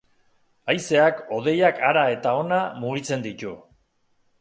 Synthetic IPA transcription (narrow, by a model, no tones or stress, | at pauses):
ajse̞ako̞ð̞e̞jakaɾae̞t̪ao̞namuɣit͡se̞nd̪it̪u